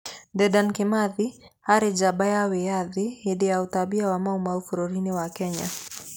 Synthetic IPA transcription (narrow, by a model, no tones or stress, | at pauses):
dɛdankɪmaði | haɾɪd͡ʒabajawɛjaðɪhidiaut̪abiawamaumaufuɾoɾiniwakɛɲa